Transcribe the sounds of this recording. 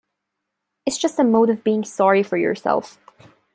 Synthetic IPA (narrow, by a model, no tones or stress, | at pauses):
ɨtsd̥ʒ̥ʌstəmoʊɾʌvbiɪ̃ŋsɑɹifə˞jə̰˞sɛ̰lˠf